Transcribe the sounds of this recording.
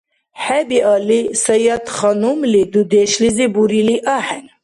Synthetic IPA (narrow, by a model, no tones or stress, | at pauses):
ħɛbiʔɑːlisɐjɑt̪χɑnumlid̪ud̪eʃlizibuɾiliʔaːħɛn